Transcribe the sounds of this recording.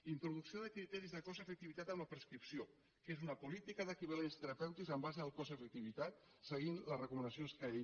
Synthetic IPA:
int̪ɾuðuksioðəkɾit̪ɛɾizðəkɔzəfək̚t̪iβit̪at̪əmləpɾəskɾipsio | kezunəpulit̪ikəðəkiβalenst̪əɾəpɛwt̪ikzəmbazəðəlˠkɔzəfək̚t̪iβit̪at̪̚ | səɣ̞inləzrəkumənəsionskəe

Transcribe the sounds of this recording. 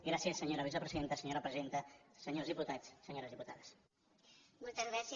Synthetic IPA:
ɡɾasjəsːəɲoɾəβizəpɾəziðent̪əsəɲoɾəpɾəziðent̪əsəɲozðiput̪at͡ssəɲoɾəzðiput̪aðəs | molt̪əzɣɾas

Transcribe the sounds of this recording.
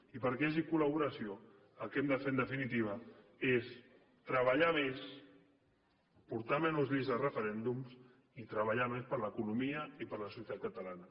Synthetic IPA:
ipəɾkezikuləβuɾəsio | əlˠkɛmd̪əfend̪əfinit̪̬iβ̞ə | es | t̪ɾəβəʎames | puɾt̪amenuzβizðərəfəɾɛnd̪ums | it̪ɾəβaʎamespəɾləkunumiəipəɾləsuut̪at̪̚kət̪əlanə

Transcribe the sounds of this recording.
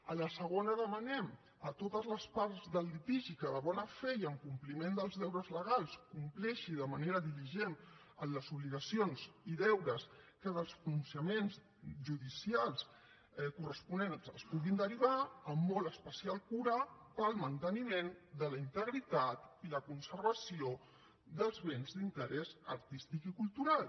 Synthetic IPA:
ələsəɣ̞onəðəmənɛm | ət̪ot̪əzləspaɾzðəlːit̪iʒikəðəβɔnəfɛjəŋkumplimend̪əlˠzðɛwɾəzləɣ̞alˠskumplɛʃiðəməneɾəðiliʒen | əmləzuβliɣəsionziðɛwɾəskəðəlˠspɾununsjəmenz | ʒuðisialˠs | kurəspunensəspuɣind̪əɾiβ̞aəmːɔləspəsialˠkuɾəpəlˠmənt̪ənimend̪ələint̪əɣɾit̪at̪iləkunsərβəsio | d̪əlˠzβenzd̪int̪əɾɛzəɾt̪ist̪ikikulˠt̪uɾalˠ

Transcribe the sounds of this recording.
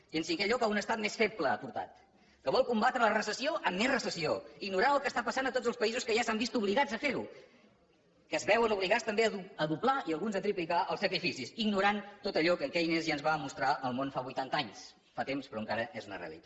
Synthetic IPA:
ənsiŋkɛʎɔkaunəst̪at̪mesfet̪̚pləpuɾt̪a̰t̪ | kəβɔlˠkumbat̪ɾələrəsəsioʔəmːezrəsəsioiɡnuɾaəlˠkəst̪apəsanət̪od͡zzəlˠspəizuskəʒasambist̪uβliɣad͡zəfeɾu | kəzβɛwənuβ̞liɣast̪əmbeəðuəðuplaiəlˠɣunzət̪ɾiplikaʔəlˠsəkɾifisisiɡnuɾant̪ot̪əʎɔkəŋkɛinezʒanzβamust̪ɾaʔəlˠmonfaβujt̪ant̪aɲs | fat̪emspɾɔəŋkaɾəezunə̰rḛə̰lḭt̪a

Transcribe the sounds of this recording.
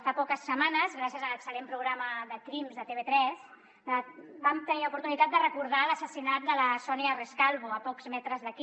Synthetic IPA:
fapɔkəsːəmanəzɣɾasjəzələksəlempɾuɣɾaməðəkɾimzðət̪eβet̪ɾɛs | əbamt̪əniupuɾt̪unit̪at̪̚d̪ərəkuɾð̞aləsəsinat̪̚d̪ələsɔniəreskalˠβoəpɔkz̥mɛt̪ɾəzðəki

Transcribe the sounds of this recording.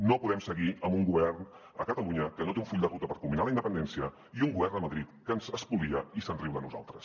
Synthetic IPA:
nopuðɛmsəɣiəmbuŋɡuβɛrn | əkət̪əluɲəkənot̪euɱfuʎʲd̪ərut̪əpəɾkumbinaləind̪əpənd̪ɛnsiə | iuŋɡuβɛrnəməðɾit̪kənzəspulˠiəisənriwðənuza̰lˠt̪ɾəs

